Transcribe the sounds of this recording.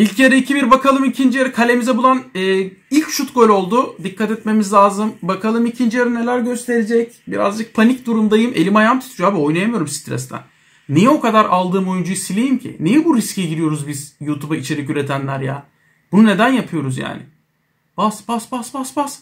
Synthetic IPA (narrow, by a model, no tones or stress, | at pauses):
ilʲcjaɾiicʰibiɾbakʰalˠɯmicʰind͡ʒijaɾɯkʰalʲe̞mizɛbulˠanɛːilʲcʃut̪ɡolʲo̞lˠd̪ud̪ikʰːat̪ɛt̪me̞mizlʲaːzɯmbakʰalˠɯmicʰind͡ʒijaɾine̞lʲæɾɟø̞st̪ʰe̞ɾed͡ʒɛc̚biɾa̰zd͡ʒɯk̚pʰanicd̪uɾumd̪ajɯmʔe̞̰lʲimajamt̪ʰu̥t̪ʰud͡ʒoaːbio̞jnajamɯjo̞ɾumsi̥t̪ɾɛ̰st̪ʰæ̰nː | ijɛo̞kʰad̪aɾalˠd̪ɯːmo̞jund͡ʒuisilʲejimcʰḭnijɛbuɾisciɟiɾijo̞ɾuzbiz̥juːt̪ʰubait͡ʃʰe̞ɾicyɾe̞t̪ʰænlʲæɾja̰ | b̥unune̞d̪ænjapʰɯjo̞ɾuzja̰ːnɪ̰ | b̥asbasbasbasbas